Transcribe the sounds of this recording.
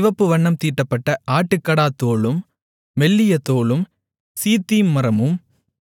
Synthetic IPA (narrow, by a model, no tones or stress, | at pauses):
ɪʋɐpːɯʋɐɳːɐmt̪iːʈːɐpːɐʈːɐʔaːʈːɯkːɐɽaːt̪ːoːɭɯmː | ɛlːɪjɐt̪ːoːɭɯm | siːt̪ːiːmːɐɾɐmɯm